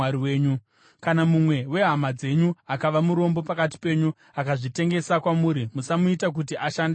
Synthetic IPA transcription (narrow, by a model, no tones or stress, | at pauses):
aɾiweːɲu | kanamumwe̞we̞ɦamad͡ze̞ɲuakaʋamuɾo̞mbo̞pakati̥pe̞ːɲu | akaʐite̞ŋɡe̞sakwamuːɾimusamuitak̬utiʔaʃande